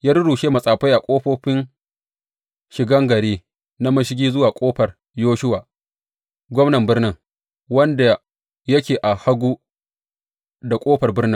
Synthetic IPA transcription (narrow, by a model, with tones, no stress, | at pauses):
jaː˦ɾʊ˦ɽuː˨ʃeː˦mɐ˨sʼaː˨ɸa˦jʔa˨kʷʼoː˦ɸoː˦ɸɪ˦n | ʃɪ˨ɡɐ˦ŋɡɐ˨ɾeː˦ | na˦mɐ˦ʃɪ˦ɡʲiː˦zʊ˦waː˨kʷʼoː˦ɸɐ˨r | joː˦ʃʊ˦waː˨ | ɡʷɔ˦mnɐ˨mbɪ˦ɽnɪ˦ŋ | wɐ˦nda˨ | jɐ˦kʲeː˨ʔa˨ha˦ɡʷuː˦ | da˨kʷʼoː˦ɸɐ˨rbɪ˦rnɪ˦ŋ